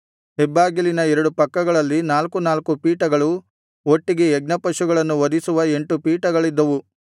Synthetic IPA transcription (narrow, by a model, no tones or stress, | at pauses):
ɦɛbːaːɡilinɐɛɾɐɽupɐkːɐɡɐɭɐlːinaːlkunaːlkupiːʈɐɡɐɭu | o̞ʈːiɡeːɡ̚nɐpɐʃuɡɐɭɐnːuʋɐd̪isuʋɐe̞ɳʈupiːʈɐɡɐɭid̪ːɐʋu